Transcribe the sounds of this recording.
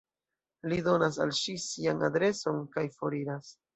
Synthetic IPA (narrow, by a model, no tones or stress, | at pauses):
lido̞nasa̰lʃisianadɾe̞so̞nkajfo̞ɾiɾas